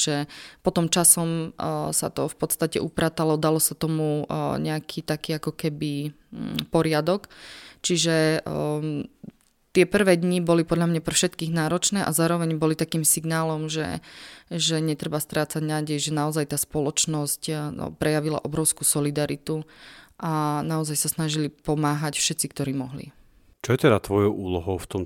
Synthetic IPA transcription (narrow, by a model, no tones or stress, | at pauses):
ʒ̥ɛpɔt̪ɔmt͡ʃasɔmsa̰t̪ɔfpɔt̪st̪acɛ̰ʔupɾaːt̪alɔd̪alɔsat̪ɔmuɲɛakʰiːt̪akiːakɔkɛbi | pɔɾɪad̪ɔkt͡ʃiʒɛ | t̪ɪɛpr̩ʋɛːd̪ɲibɔlipɔd̪ʎamɲapr̩fʃɛt̪kiːɣnaːɾɔt͡ʃnɛːʔazaːɾɔʋɛɲbɔlit̪akiːmsiɡnaːlɔmʒɛ̰ʒɛɲɛt̪ɾɛbast̪ɾaːt͡saɟnaːɟɛjʒɛnaɔzajt̪aːspɔlɔt͡ʃnɔscpɾɛjaʋila̰ʔɔbɾɔʊskuːsɔlid̪aɾit̪uʔanaɔzajsasnaʒilipɔmaːɦacfʃɛt̪t͡sikt̪ɔɾiːmɔɦlḭ | t͡ʃɔjɛt̪ɛd̪at̪ʋɔjɔʊʔuːlɔɦɔʊft̪ɔm